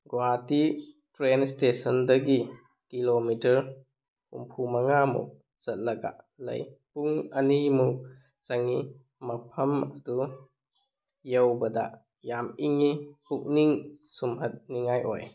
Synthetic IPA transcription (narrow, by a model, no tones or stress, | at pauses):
ɡwati | tɾenstesɐndɐɡi | kilomitɐɾ | ṵmpʰumɐŋamṵ | z̥ɐt̚lɐɡa̰ | lɐ̰jpuŋɐnimu | sɐŋi | mɐpʰɐmɐdu | jewbɐdɐ̰ | jamiŋihuk̚niŋsumɦɐt̚niŋajʔoj